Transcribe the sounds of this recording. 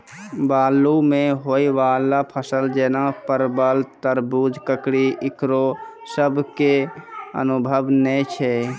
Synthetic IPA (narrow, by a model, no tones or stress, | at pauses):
baːlːumẽɦoːiʋaːlːapʰəsəld͡ʒɛːnapəɾbəlt̪əɾbuːd͡ʒkəkɽiʔɪkɾosəbʱkeə̰nʊbʱəʋnɛt͡ʃʰɛ